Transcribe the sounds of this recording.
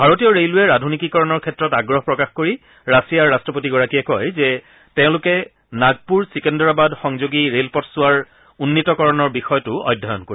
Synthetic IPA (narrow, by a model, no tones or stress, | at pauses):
bʱaɹotijɔɹelʊɛɹadʱunikikɔɹɔnɔɹkʰɛtːɹɔtaɡɹɔɦɔpɹɔkaxkoɹi | ɹasijaɹːastɹɔpotiɡɔɹakiɛkɔjzɛ | tẽʊ̃lʊkɛ | naɡ̚puɹsikɛndɔɹabadxɔŋzoɡiɹelpɔtsʊaɹ | unːitɔkɔɹɔnɔɹbixɔjɔtʊɔ̰jdʱɔjɔ̰nkoɹi